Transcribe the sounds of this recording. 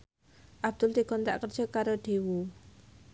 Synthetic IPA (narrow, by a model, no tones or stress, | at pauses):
ʔab̥̚d̪̥ʊlt̪iɡ̥ɔ̤nt̪a̰ʔkərd̥ʒ̥ɔ̤kaɾoɖ̪̥ewu